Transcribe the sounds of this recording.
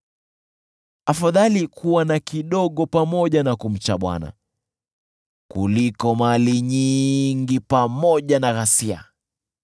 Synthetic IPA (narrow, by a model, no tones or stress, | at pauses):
afaðalikʰuwanakiɗɔɠɔpamɔʄanakum̩t͡ʃaɓwa̰na̰ | kulikɔmaliɲiŋɡipamɔʄanaɣasia̰